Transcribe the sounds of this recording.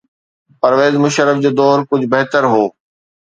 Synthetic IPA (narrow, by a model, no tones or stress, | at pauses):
pɐɾʋeːzmʊʃəɾəfd͡ʑoːd̪ɔːɾkʊd͡ʑʱbɐɦt̪əɾɦoː